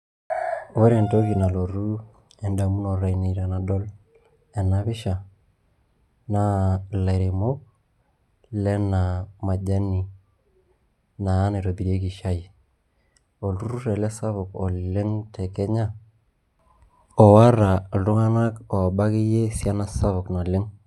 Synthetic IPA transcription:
wɛ˦ɾɛ˨nto˦ki˨na˨lo˨ɾu˦ | ɛ˦nda˨mu˦nɔ˨ɾa˨i˨ne˨ɾa˨na˨dɔ˦l | ɛ˨na˦βɪ˦ʃa˨ | na˦la˨ɾe˨mo˦k̚ | lɛ˦na˨ma˨d͡ʒa˦ni˨ | naː˨˦nɛ˨ɾo˨bi˨ɾe˦ki˨ʃa˦i˨ | o˨lu˦ɾu˦ɾɛ˨lɛ˦sa˦βʊ˨kɔ˨llɪ˦ŋtɛ˨kɛ˦ɲa˦ | ɔ˨wa˦ɾa˨ltu˦ŋa˦na˦kɔ˨ba˦ki˦je˦sja˦na˦sa˦βʊ˨kna˨lɪ˦ŋ

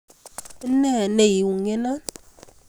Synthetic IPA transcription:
nɛ˦˨ne˨ji˨wu˨ŋe˦na˦

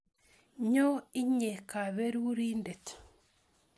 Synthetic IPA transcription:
ɲo˦i˦ɲe˨ka˨βe˦ɾu˦ɾi˦nde˨t

